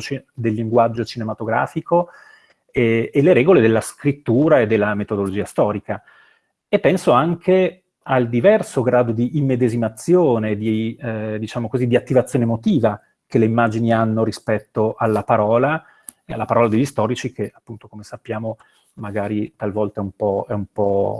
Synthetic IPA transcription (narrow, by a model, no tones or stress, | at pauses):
t͡ʃd̪elːiŋɡwad͡ʒːot͡ʃinemat̪oɡɾa̰ːfiko | eelːeɾɛːɡoled̪elːaskɾit̪ːuːɾaed̪ːelːamet̪od̪olod͡ʒiːast̪ɔːɾika | epːɛnsoaŋkʰe | ald̪ivɛrsoɡɾaːd̪od̪iʔːmːed̪ezimat̪sːjoːned̪id̪it͡ʃaːmokozid̪iat̪ːivat̪sːjoːnemot̪iːva | kelːeimːaːd͡ʒinianːoɾispɛt̪ːoʔalːapaɾɔːla | ea̰lːapaɾɔːlad̪eʎːist̪ɔːɾit͡ʃikeapːunt̪okomesapːjaːmo | maɡaːɾit̪alvɔlt̪aɛumpɔɛumpɔ